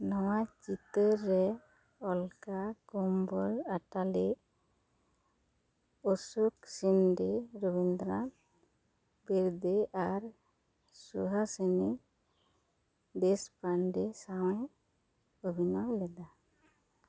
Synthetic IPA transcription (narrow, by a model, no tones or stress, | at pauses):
nɔwat͡ʃit̪əɾɛ | ɔlkakɔmbɔɾaʈali | osuksinɖeɾobind̪ɾan | biɾd̪eʔaɾ | sṵɦasəni | d̪espaɳɖesawɛ̃ | obʱinawlɛd̪a